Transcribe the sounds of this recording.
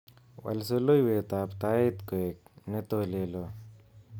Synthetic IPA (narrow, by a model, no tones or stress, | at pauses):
wɐ̰lsolojwet̪aːpt̪aːit̪koek̚net̪oːlelo